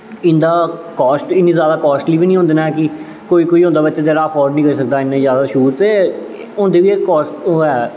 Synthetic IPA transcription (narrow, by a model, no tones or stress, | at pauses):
ɪnd̪aːkɔːsʈɪnːiːzjaːd̪aːkɔːsʈliːʋiːnĩːɦõnd̪eːnaɛkɪ | koːiːkoːiːɦõːnd̪aːbətːt͡ʃaːzɛːɾaːəfʰɔːɾɖnĩːkəɾiːsək̚d̪aːɪnːẽzjaːd̪aːʃuːɾt̪eː | ʊ̃ːnd̪eːʋiːeːkɔːsʈoɛː